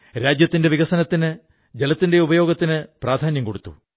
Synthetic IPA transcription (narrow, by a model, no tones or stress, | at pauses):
ɾaːd͡ʑjɐt̪ːinde̞ʋiɣɐsɐnɐt̪ːinɨ | d͡ʑelɐt̪ːinde̞ubɐjo̞ːɡɐt̪ːinɨpraːd̪ʱaːnjɐmko̞ɽut̪ːṵ